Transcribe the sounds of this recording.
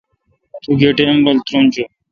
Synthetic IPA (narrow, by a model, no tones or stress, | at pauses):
t̪uɡeːʈembəlt̪ɾumt͡ʃoː